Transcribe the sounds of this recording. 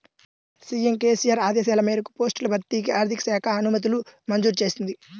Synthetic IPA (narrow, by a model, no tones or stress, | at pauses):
siːemke̞ːsijaːɾaːd̪ɛːsaːlɐmiːɾɐku̥po̞ːsʈulɐbʱɐɾt̪ːiːkiaːɾd̪ʱikɐ̥sɛːkʰɐːnumɐt̪̬ulumɐnd͡ʒuːɾt͡ʃe̞ːsind̪i